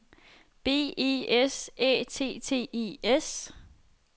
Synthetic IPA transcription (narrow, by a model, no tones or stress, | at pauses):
b̥e̝̰ːḛesɛ̰ːt͡sʰe̝̰ːt͡sʰe̝̰ːḭːes